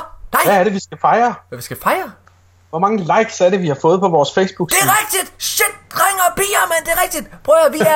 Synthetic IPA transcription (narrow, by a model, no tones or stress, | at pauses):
nææɐɾe̝ʋisɡ̥æfɑ̈ɪɐʋisɡ̥æfɑ̈ɪɐ | ʋɒ̽mɑ̈ŋəlɑ̈ɪɡ̥sæɐɾe̝ʋihɑ̈fɔ̽ːð̩ˠpʰɒ̽ʋɒːsfeɪsb̥uɡ̥seʁɛɡ̥̚d̥id̥ɕed̥̚ːʁaŋɐb̥ḭːɐmend̥e̝ʁɛɡ̥d̥id̥b̥ʁœːɐʋiæ